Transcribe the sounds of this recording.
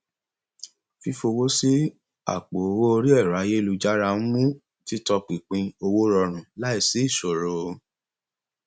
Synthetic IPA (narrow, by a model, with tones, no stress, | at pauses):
fi˧fo˧wo˦si˦ | a̰˦˨k͡po˨o˧wo˦o˧ɾi˦ɛ˦˨ɾa˨˦je˦˧lu˧d͡ʒa˦ɾa˧˦n̩˦mũ˦ | ti˦tɔ˧k͡pĩ˨k͡pĩ˧o˧wo˦ɾɔ˧ɾ̃ũ˨la˦i˦˨si˨˦i˦˨so˨ɾo˨˦